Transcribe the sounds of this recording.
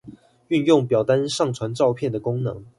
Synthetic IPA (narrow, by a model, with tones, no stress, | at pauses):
y˥˧njʊ˥˩ŋpjɑ˨˩ʊt̪a˦nʂɑ˥˩ŋt͡sʰwa˧˥nʈ͡ʂɑ˥˧ʊpʰjɛ˥˩nd̪ə˩kʊ˥ŋnɤ˧˦ŋ